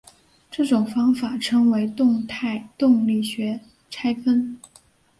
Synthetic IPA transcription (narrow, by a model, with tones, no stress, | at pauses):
ʈ͡ʂɤ˥˩ʈ͡ʂʊ˨˩ŋfɑ˥ŋfa˨˩ʈ͡ʂʰɤ˥ŋwe˧˥ɪt̪ʊ˥˧ŋt̪ʰa˥˧ɪt̪ʊ˥˧ŋli˥˩ɕɥɛ˧˥ | ʈ͡ʂʰa˥ɪfə˥n